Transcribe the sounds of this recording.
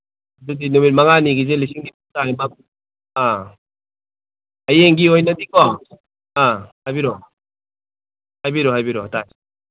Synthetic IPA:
dudinomit̚maŋaniɡizelisiŋdiputajba | a | ɐjeŋɡiojnadikɔ | ahajbiɾɔ | hajbiɾɔɦajbiɾɔtaj

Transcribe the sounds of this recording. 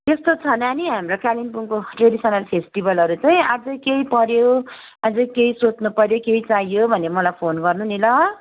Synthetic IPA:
t̪est̪ot͡sʰʌnaniɦamrokalinpuŋkoʈreɖisʌnalpʰesʈibʱʌlʌɾut͡sʌj̃ad͡zʌkejpʌɾjo | ad͡zʌkejsot͡snupʌɾjokejt͡saijobʱʌnemʌlajpʰonɡʌrnunilʌ

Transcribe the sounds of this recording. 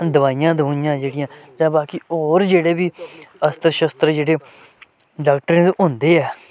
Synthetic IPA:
d̪əʋaːijãːd̪ɦũnɪjãːd͡ʒeːɽɪjãːd͡ʒãːbaːkiːoːɾd͡ʒeːɽeːbiːəst̪əɾʃəst̪ɾəd͡ʒeːɽeː | ɖaːk̚ʈəɾẽːt̪ːɦʊnd̪eːɛː

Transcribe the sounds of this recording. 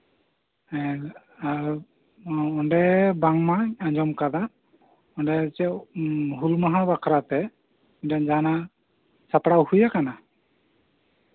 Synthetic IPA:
a | ɔndɛbaŋmaaɲd͡ʒɔmkad̪a | ɔndɛt͡ʃɛɦulmaɦabakʰaɾat̪ɛ | idaŋd͡ʒana | sapɽawhujakana

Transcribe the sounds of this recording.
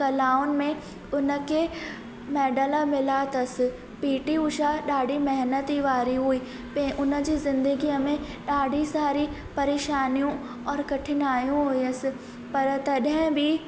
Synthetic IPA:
kɐlaːʊnmẽ | ʊnə̆ke | mɛːɖəlamɪlaːt̪ɐsɪ̆ | piːʈiʊʃaɗaːɖʱimɛɦnət̪iʋaːɾiɦuiː | pẽʔʊnə̆d͡ʑiːzɪ̃nd̪əɡiəmẽ | ɗaːɖʱisaːɾi | pɐɾeːʃaːnijũ | ɔːɾkɐʈʰɪnaːjũɦʊiɐsɪ̆ | pɐɾt̪ɐɗɦə̃bʱi

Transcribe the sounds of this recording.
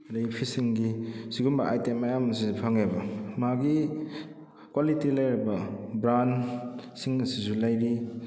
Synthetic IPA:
dajpʰisiŋɡisiɡumbɐ̰ʔa̰jtemːajamɐsizupʰaŋebɐmaɡi | kwalitilajɾibɐbɾansiŋɐsisulajɾi

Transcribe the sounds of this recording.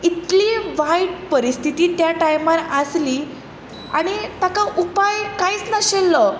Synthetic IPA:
it̪liːʋajɽpəɾist̪ʰit̪iːt̪jaʈajmaɾasliː | a̰ɽ̃it̪akaʔupajkaiːt͡snəɕelːə

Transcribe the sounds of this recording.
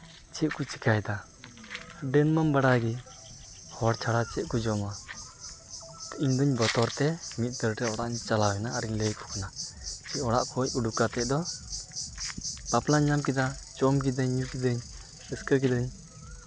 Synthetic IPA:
t͡ʃʰɛʔ̪̚kɔt͡ʃi̥kajd̪a | ɖɛnmambaɽaɡi | hɔɽt͡ʃʰaɽat͡ʃɛʔ̪̚kɔd͡ʒɔma | iɲd̪ɔɲbɔt̪ɔɾt̪ɛmit̪̚ˀt̪əɾʈɛɔɽaʔɲt͡ʃalawɛnaːɾiɲləjkʰɔ̥kanat͡ʃʰɛʔɔɽa̰ʔkʰɔc̚uɖukat̪ɛc̚d̪ɔ | baplaɲːamkid̪at͡ʃɔmk̬id̪əɲːukid̪əɲ | əskəkid̪əɲ

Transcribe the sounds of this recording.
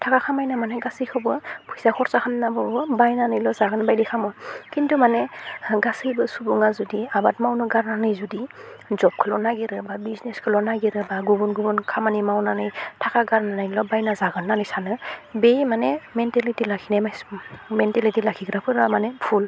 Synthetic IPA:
tʰakakʰamajnamanɛɡasijkʰɯbɯpʰujsakʰɔɾsakʰɯnːabɔbɯbajnanɯjlɔzaɡɯnbajdɛkʰamɔkintumanɛɡasɯjbɯsubuŋazudiabatmawnɯɡaɾnanɯjzudizɔp̚kʰɯlɔnaɡiɾɯbabizneskʰɯlɔnaɡiɾɯbaɡubɔnɡubɔnkʰamanimawnanɯjtʰakaɡaɾnanajlɔbajnazaɡɯnːanɯjsanɯbejmanɛmɛntalitilakʰinajmajsmɛntalitilakʰiɡɾapʰɯɾamanɛpʰul

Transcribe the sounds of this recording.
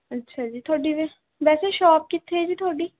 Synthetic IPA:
ətːʃʰad͡ʒiːt̪ʰoːɖiʋe | ʋɛːseʃɔːp̚kit̪ʰːed͡ʒiːt̪ʰoːɖiː

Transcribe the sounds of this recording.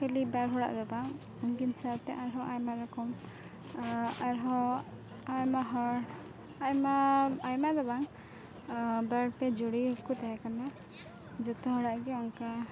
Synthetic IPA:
pɛlibaɾɦɔɽa̰ʔd̪ɔbaŋ | ɔŋɡinsaɾt̪ɛʔaɾɦɔʔajmaɾɔkɔm | aɾɦɔ | ajmaɦɔɾ | ajmaajmad̪ɔbaŋ | baɽpɛd͡ʒɔɽikut̪aɦɛkana | d͡ʒɔt̪ɔɦɔɽaʔɡɛɔŋka

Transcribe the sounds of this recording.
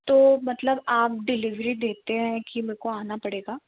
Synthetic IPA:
t̪oːmɐt̪ləbaːp̚ɖɪlɪʋɾid̪eːt̪eɦɛ̃kimẽːkoaːnapɐɽeːɡaː

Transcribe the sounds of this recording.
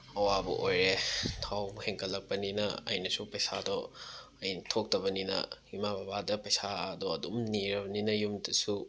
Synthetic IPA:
ɐwabṵʔojɾetʰawheŋkʰɐlːɐk̚pɐninɐɐ̰jnɐsupɐjsadɔɐjtʰok̚tɐβɐninɐ̰himabʱabadɐpɐjsaɐdoɐdumniɾɐbɐninɐjumdɐsu

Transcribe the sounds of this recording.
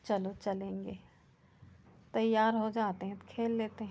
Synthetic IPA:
t͡ʃɐlot͡ʃɐlẽːŋɡeː | t̪ɐjaːɾɦod͡ʒaːt̪eɦɛ̃t̪kʰeːlːeːt̪eɦ

